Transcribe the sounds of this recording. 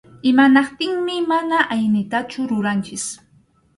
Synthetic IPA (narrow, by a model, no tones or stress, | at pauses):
ɪmanɑqt̪ɪŋmɪmanaʔajnɪt̪at͡ʃʊɾʊɾant͡ʃɪs